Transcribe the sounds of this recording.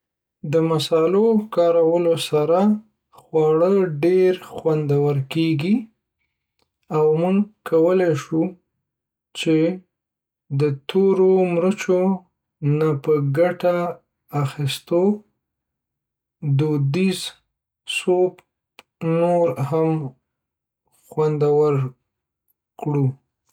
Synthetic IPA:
d̪əmasɑlokɑɾawəlosaɾa | xwɑɽəɖeɾxwand̪awəɾkeɡi | awmuŋkawəlajʃu | t͡ʃe | d̪ət̪ʰoɾomɾət͡ʃo | napəɡaʈaː | xist̪o | d̪od̪iz | sop | noɾham | xwand̪awəɾ | kɽu

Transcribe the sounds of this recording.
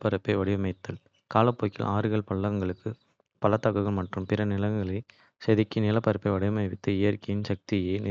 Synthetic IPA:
pːɐɾɐpːɐɪʋɐɽɪʋɐmɐɪt̪ːɐl | kaːlɐpːoːkːɪ̰lʔaːɾɯɣɐɭpɐɭːɐɣɐŋɡɐɭɯkːɯ | pɐlɐt̪ːɐɣɯɣɐɭmɐʈrɯmpɪɾɐnɪlɐŋŋɡɐɭɐɪ | sɐðɪkːɯnɪlɐpːɐɾɐpːɐɪʋɐɽɪʋɐmɐɪʋɪt̪ːɯɪjɐɾkɐjɪnsɐk̚t̪ɪjeːn

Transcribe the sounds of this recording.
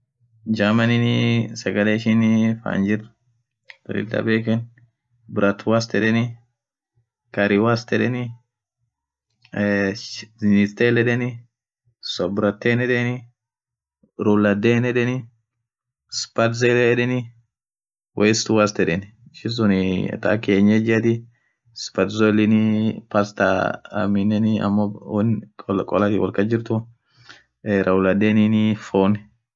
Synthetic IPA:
d͡ʒamɐnɪnɪsɐɡɐleːɪʃɪnfa̰ːnd͡ʒɪr | d̪̥ɔ̰lɪ̰t̪ːɐ̰beːkɛn | bɪɾɐt̪ːwast̪ɛᶑɛnɪ | kɐɾɪwast̪ɛᶑɛnɪ | znɪst̪eːlɛᶑɛnɪ | sɔbɪɾɐt̪ːeːnɛᶑenɪ | ɾulːɐd̪eːnɛᶑɛnɪ | spɐt̪zelɛɛᶑɛnɪ | wʔɛjst̪wɐst̪ɛᶑɛn | ʃɪs̬ʊnɪ̰t̪akeːɲːed͡ʒɪɐt̪ɪ | spɐt̪zolɪnɪpast̪a̰ɐ̰mɪnːɛnɪɐ̰mːɔnɔlkʼɔlɐt̪ɪwɔ̰lkɐd͡ʒɪɾt̪ʊ | ɾʔɐwlɐd̪eːninɪfoːnɛ

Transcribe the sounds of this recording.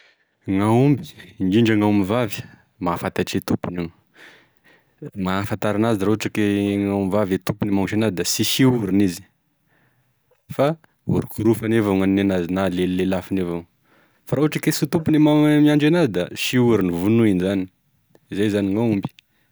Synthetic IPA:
ŋaumbi̥niɳɖ͡ʐaŋamivavi̥ | mafat̪aʈ͡ʂet̪upuniŋ | ŋafant̪aɾanaziɾauaʈ͡ʂakeŋamivavet̪upunemaʈ͡ʂenazid̪asiʃiuɾinizi̥ | fa | ṵɾukuɾufanevaŋanːenazinalelelafanevaŋ | faɾauaʈ͡ʂakesut̪upunemamiaɳɖ͡ʐenazid̪aʃiuɾinivunuinzani̥ | izajzaniŋaumbi̥

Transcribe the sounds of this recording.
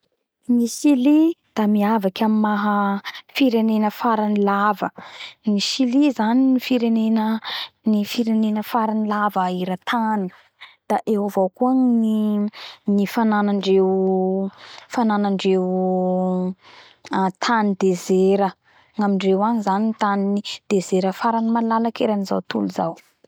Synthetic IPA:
nisilid̪̥amiavakʲamimaɦəfiɾenenəfaɾanilavənisilizaninifiɾenenənifiɾenenəfaɾanilavəiɾat̪ʰani | d̪̥aʔewavowkuai | nifananaɳɖ͡ʐew | fananaɳɖ͡ʐew | at̪ʰanid̪ezeɾə | ŋamiɳɖ͡ʐewaɲizanint̪aniid̪̥ezeɾəfaɾanimalalakeɾaniza̰wt̪ṵluza̰w

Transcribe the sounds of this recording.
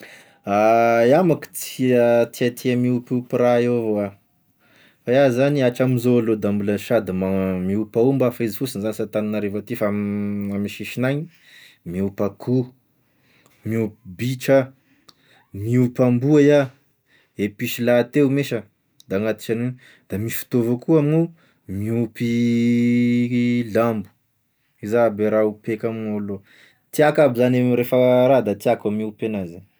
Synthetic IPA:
ajamaku̥t͡siət̪ʰiat̪ʰiamiupupiɾaevoa | faazaniaʈ͡ʂamizoalod̪ambulanʃad̪imamiupaumbafaizifusinzanisat̪ananaɾevat̪ifaamamiʃiʃinaɲi | miupakʰu | miupbiʈ͡ʂa | miupambuaja | epiʃilat̪eumeʃə | d̪̥aŋat̪i̥t͡ʃanin | d̪̥amisi̥fi̥t̪ovakuamu | miupi | lambu̥ | izabeɾaupekamolo | t̪iakabizanemiɾefəɾad̪at̪iakamiupenazi

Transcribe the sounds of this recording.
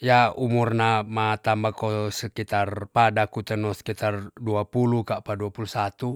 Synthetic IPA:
jaumurnamat̪ambakɔsəkit̪arpadakut̪ənɔsə̥kit̪arduapulukaʔpaduapulusat̪u

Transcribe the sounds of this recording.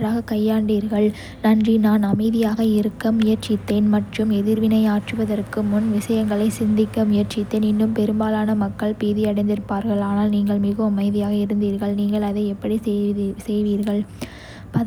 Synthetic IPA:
ɾaːɣɐkɐjːaːɳɖiːɾɣɐɭ | nɐndrinaːnɐmɐɪðɪjaːɣɐɪɾɯkːɐmɪjɐɾt͡ʃɪt̪ːeːnmɐʈrɯmɛðɪɾʋɪnɐɪaːʈrɯʋɐðɐrkɯmʊnʋɪʂɐjɐŋɡɐɭɐɪsɪnd̪ɪkːɐmɪjɐɾt͡ʃɪt̪ːeːnɪnːɯmpɛɾɯmbaːlaːnɐmɐkːɐɭpiːðɪɐɽɐɪnd̪ɪɾɯpːaːɾɣɐɭaːnaːlniːŋɡɐɭmɪɣɯɐmɐɪðɪjaːɣɐɪɾɯnd̪iːɾɣɐɭniːŋɡɐɭɐðɐɪɛpːɐɽisɛjʋiːɾɣɐɭ | pɐ

